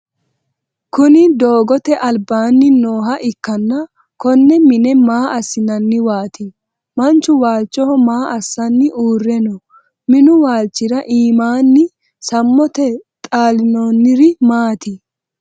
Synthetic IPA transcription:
kʊnɪd̪o̞ːɡɔt̪ɛʔɐlbaːnːɪnoːɦɐʔɪkːɐnːɐ | kɔnːɛmɪnɛmaːʔɐsːɪnɐnːɪwaːt̪ɪ | mɐnt͡ʃːʊwaːlt͡ʃːɔhɔmaːʔɐsːɐnːɪʔuːrːɛnɔ | mɪnʊwaːlt͡ʃːɪɾɐʔiːmaːnːɪ | sɐmːɔt̪ɛt̪ʼaːlɪnonːɪɾɪmaːt̪ɪ

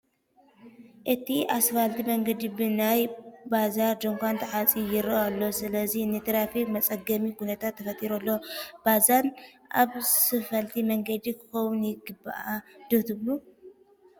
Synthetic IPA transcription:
ʔɨt̪ʰiasfalt̪ʰimɐŋɡɐd̪ibɨnajbazaɾd͡ʒoŋkʷant̪ʰɐħat͡sʼijɪɾɐalːo̞sɨlɐzinɨt̪ʰɨɾafimɐt͡sʼɐɡɐmikʰunɐt̪ʰat̪ʰːɐfɐt̪ʼiɾolːo̞b̥azan | ʔaβsɨfɐlt̪ʰimɐŋɡɐd̪ikʰɨ̥xɐwunjɪɡɨbːa̰ʔad̪̥oht̪ʰɨβlu

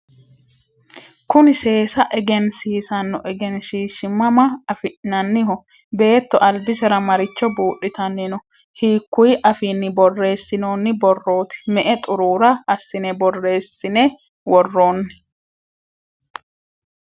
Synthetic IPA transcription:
kʊnɪse̞ːsɐʔɛɡɛnsiːsɐnːɔʔɛɡɛnsiːʃɪmːɐmɐɐfɪʔnɐnːɪɦɔ | be̞ːt̪ːɔʔɐlbɪsɛɾɐmɐɾɪt͡ʃːɔbuːʔːɪt̪ɐnːɪnɔ | hiːkːʊjʔɐfiːnːɪbɔrːe̞ːsːɪno̞ːnːɪbɔrːo̞ːt̪ɪ̥mɛʔɛt̪ʼʊɾuːɾɐɐsːɪnɛbɔrːe̞ːsːɪnɛ | wɔrːoːnːɪ

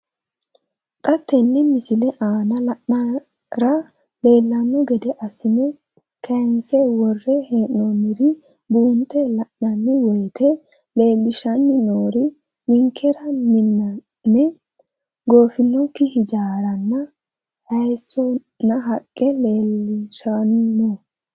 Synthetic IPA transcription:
kʼɐt̪ːɛnːɛmɪsɪlɛʔaːnɐlɐʔnɐ | ɾɐ | le̞ːlːɐnːɔɡɛd̪ɛʔɐsɪnɛ | kʰɐnsɛwɔrːɛheːnːɔmɪɾɪ | buːnt̪ːɛlɐʔnɐnːɪwɔjt̪ʰɛ | le̞ːlːɪʃɐnːɪnoːɾɪ | nɪŋkʰːɛɾɐnɪnːɐ | nːɛ | ɡo̞ːfɪnːɔkːɪhɪd͡ʒaːɾɐnːɐ | hɐjsːɔ | nːɐɦɐkʼːɛle̞ːlːɪʃannoː

